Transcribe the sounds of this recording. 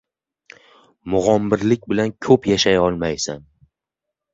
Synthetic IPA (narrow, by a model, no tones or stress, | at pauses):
mʊʁɒmːɪɾlɪk̚ʲbɪlankʰɵpjaʃajɒlˠmajsan